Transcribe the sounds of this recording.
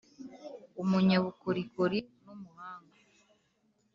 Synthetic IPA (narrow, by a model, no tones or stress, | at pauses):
omuɲaβukoɾikoɾinomuhaːŋɡa